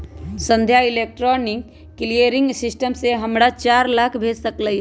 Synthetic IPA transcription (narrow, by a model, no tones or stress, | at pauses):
sə̃nd̪ʱjaɪleːk̚ʈɾɔːnɪkː | elieɾɪ̃ŋɡsɪsʈəmseɦɐmɽat͡ʃaːɾlaːkʰbʱeːd͡ʒsəkləi